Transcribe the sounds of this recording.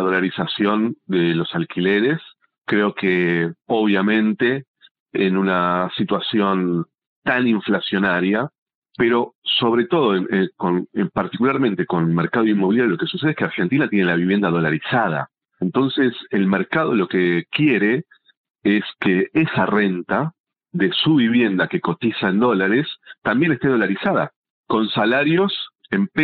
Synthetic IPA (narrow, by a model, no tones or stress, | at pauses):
ðo̞laɾisasjo̞nd̪elo̞salkileɾes | kɾeo̞keoβ̞jamẽ̞nt̪eː | nunasit̪wasjo̞n | t̪aniɱflasjo̞naɾja | peɾo̞so̞βɾe̞t̪o̞ð̞oenekonepaɾt̪ikulaɾmẽ̞nt̪e̞ko̞nmeɾkaðoimːoβiljaɾjolo̞ke̞suse̞ðeskeaɾxent̪inat̪jenelaβiβje̞nd̪að̞o̞laɾisað̞a̰ | ent̪o̞nseselmeɾkaðo̞lo̞kekje̞ɾe̞ | eskeesare̞nt̪a | ðe̞suβiβje̞nd̪ake̞kot̪isaend̪o̞laɾest̪ambje̞nest̪eðo̞laɾisaða̰ | ko̞nsalaɾjo̞s | emp